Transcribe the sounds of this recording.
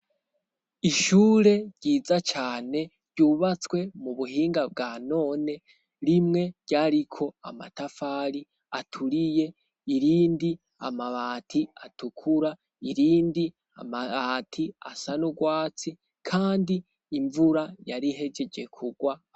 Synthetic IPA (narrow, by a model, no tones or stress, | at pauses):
iʃuːɾe̞ɾɟ̥iːzat͡ʃaːne̞ɾɟuːβat͡swe̞muβuɦiːŋɡabɡaːno̞ːne̞ | ɾimŋe̞ɾɟ̥aːɾikʰo̞a̰ma̰tafaːɾi | atʰuɾije̞ | iɾiːndi | a̰maβaːtʰiatukʰuɾa | iɾiːndi | a̰maatʰia̰sanuɡwaːt͡si | kʰaːndiː | ɱvuɾajaɾiɦe̞d͡ʒe̞d͡ʒe̞kʰuɡwa